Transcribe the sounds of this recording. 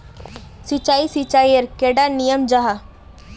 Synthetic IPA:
sit͡ʃaːisit͡ʃaːiəɾkeːɖanijəmd͡ʒaɦa

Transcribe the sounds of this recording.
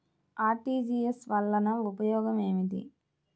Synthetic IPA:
aːʈiːd͡ʒiːesʋɐlːɐnɐupɐjɔːɡɐme̞ːmid̪ḭ

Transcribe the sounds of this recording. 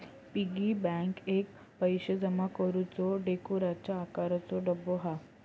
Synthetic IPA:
piɡibɛ̃ŋkek | pəjɕəd͡zəmakəɾut͡sɔɖekuɾat͡ɕaːkaɾat͡sɔɖəbːoɦa

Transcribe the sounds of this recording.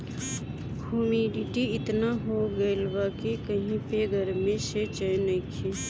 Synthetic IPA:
bʱuːmiɖiʈiɪt̪naɦoɡəɪlbakekəɦĩpeɡəɾmẽset͡ʃənəkʰe

